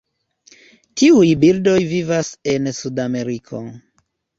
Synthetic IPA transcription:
tiujbildo̞jvivase̞nsudame̞ɾikʰo̰

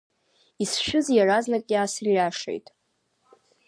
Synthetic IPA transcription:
isʃᶣʊzjaraznakʼjaːsɨrjaʂḛjtʼ

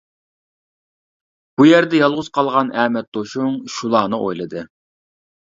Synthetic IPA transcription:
b̥ujæɾd̪ɛjɑlˠʁʊz̥qʰɑlˠʁɑnʔɛmɛt̪̚d̪̥oʃuŋʃulˠɑːnɨʔo̰jlˠɨd̪ɨ

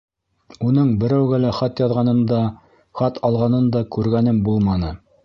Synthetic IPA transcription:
unɤɴbɘ̆ɾæwɡælæχɑt̪jɑðʁɑnɤnd̪ɑ | χɑt̪ʰɑlˠʁɑnɤnd̪ɑkʉɾɡænɘmbulˠmɑnɤ

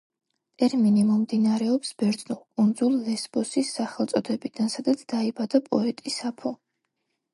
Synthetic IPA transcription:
t̪ʼɛɾminimɔmd̪inaɾɛɔpsbɛɾd̪znulkʼund̪zulˠːɛsbɔsisːaχɛlˠt̪sʼɔd̪ɛbid̪̥ansad̪at̪sʰd̪̥aibad̪apʼɔɛt̪ʼisapʰɔ

